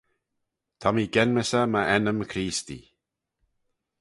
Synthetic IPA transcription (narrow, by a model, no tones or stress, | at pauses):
t̪ʰɔmiɡɛnməsəməʔɛnəmkʰɾiːst̪ḭ